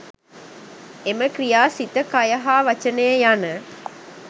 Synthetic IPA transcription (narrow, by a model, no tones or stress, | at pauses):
eməkɾijaːsit̪əkajɐɦaːʋɐt͡ʃənəjəjanə